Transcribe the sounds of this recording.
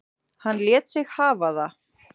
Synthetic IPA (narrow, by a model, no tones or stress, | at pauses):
hanːljɛːt̪sɪɣhaːvaða